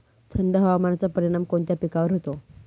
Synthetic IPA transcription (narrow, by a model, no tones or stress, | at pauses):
t̪ʰəɳɖəɦəʋamanat͡sapəɾiɽ̃amkoɳt̪japikaʋəɾɦot̪o